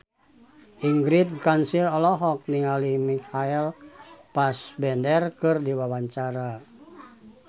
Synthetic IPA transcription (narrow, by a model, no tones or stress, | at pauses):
ʔiŋɡɾit̪̚kansiɾɔlɔɦɔk̚niŋalimikaɛlpasbɛndɛrkɨrdiwawaɲt͡ʃaɾa